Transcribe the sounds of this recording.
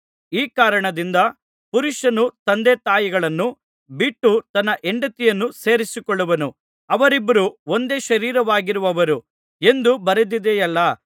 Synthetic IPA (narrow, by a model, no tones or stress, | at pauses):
iːkaːɾɐɳɐd̪ind̪ɐ | puɾuʂɐnut̪ɐnd̪eːt̪aːjiɡɐɭɐnːu | biʈːut̪ɐnːɐʔeɳɖɐt̪ijɐnːuse̞ːɾisikoɭːɐʋɐnu | ɐʋɐɾibːɐɾuo̞nd̪e̞ːʃɐɾiːɾɐʋaːɡiɾuʋɐʋɐɾu | e̞nd̪ubɐɾud̪id̪ejɐlːɐ